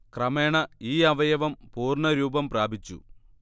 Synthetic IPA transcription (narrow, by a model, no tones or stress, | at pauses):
krɐmeːɳɐiːɐʋɐjɐʋɐmpuːrɳɐɾuːbɐmpraːbʱit͡ɕːṵ